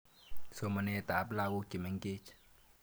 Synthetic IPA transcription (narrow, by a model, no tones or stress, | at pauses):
somənet̪aːplaːɡokimeŋket͡ʃʰ